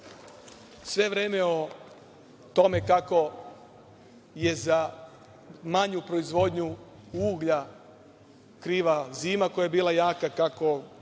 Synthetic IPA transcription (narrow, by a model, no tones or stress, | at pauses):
sʋe̞ʋɾeːme̞o | t̪o̞me̞kako̞ | je̞za | maɲupɾo̞izʋo̞d̪ɲu | uːɡʎa | kɾiːʋaziːmakojajebiːlajaːkakako̞